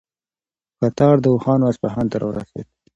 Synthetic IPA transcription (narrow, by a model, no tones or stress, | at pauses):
kat̪ɑɾd̪əuxɑnwaspaɦɑnt̪aɾʔɑ̰wəɾa̰sḛd̪̚